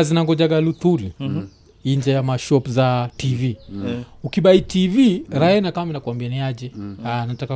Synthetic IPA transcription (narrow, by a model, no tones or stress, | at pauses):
azinaŋɡɔd͡ʒaɡalut̪uɾi | iɲd͡ʒajamaʃɔpzativi | ukiɓaitiviɾaɛnakamminakwambianiad͡ʒɛanataka